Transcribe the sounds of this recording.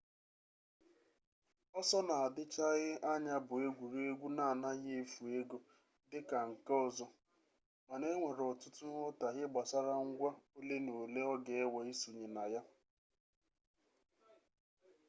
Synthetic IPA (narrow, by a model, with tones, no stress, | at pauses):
ɔ˦sɔ˦na˨a˨dɪ˦t͡ʃa˦ɣɪ˦a˦ɲa˦bʊ˨e˦ɡʷu˨ɾe˦ɡʷu˦na˦˨na˦ɣe˦e˦fu˨e˦ɡo˨ | dɪ˦ka˨ŋ̩˨kɔ˨zɔ˦ | ma˨ne˦ŋʷe˨ɾɔ˨tʊ˦tʊ˦ɦʊ˦ta˨ɣɪ˦ɡ͡ba˨sa˦ɾa˦ŋ̩˦ɡʷa˦o˦le˦no˨le˦ɔ˦ɡe˨e˦wa˨i˦su˨ɲe˨na˨ja˦